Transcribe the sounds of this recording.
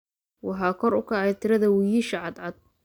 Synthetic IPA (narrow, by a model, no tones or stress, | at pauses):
wɑħɑːkʰɔɾʊkʰɐʕɛjt̪ʰɪɾɐðɐwʊjiʃɐʕɑd̪ʕɑd̪̚